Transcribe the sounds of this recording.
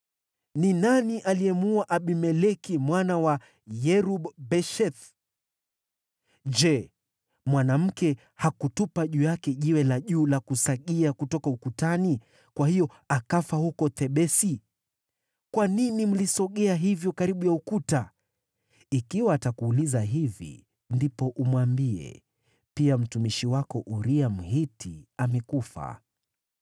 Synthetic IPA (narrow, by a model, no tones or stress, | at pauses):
ninaniʔaliɛmuaʔaɓimɛlɛkimwanawa | jɛɾubbɛʃɛθ | d͡ʒɛ | mwanam̩kɛ | hakutupaʄuːjakɛʄiwɛlaʄuːlakusaɠiakutɔkaukutani | kwahijɔ | akafahukɔt̪ɛɓɛsi | kwaninim̩lisɔɠɛaɦivjɔkaɾiɓujaukuta | ikiwaːtakuːlizaɦivḭ | ndipɔʔumwambiɛ̰ | piam̩tumiʃiwakɔʔuɾiam̩hitʰiamɛkufa̰